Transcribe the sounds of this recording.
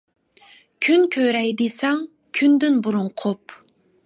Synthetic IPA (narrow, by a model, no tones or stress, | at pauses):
kʲʰynkʲʰøɾɛjd̪esɛŋ | kʲʰynd̪ynbuɾuɴqʰop